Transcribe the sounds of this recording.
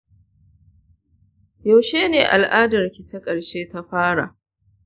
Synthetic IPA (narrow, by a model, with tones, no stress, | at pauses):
ja˨wʃeː˦neː˨ʔa̰˨lʔaː˦dɐ˨rkʲi˨ta˦kʼɐ˨ɽʃeː˦ta˦ɸaː˦ɽa̰˨ʔ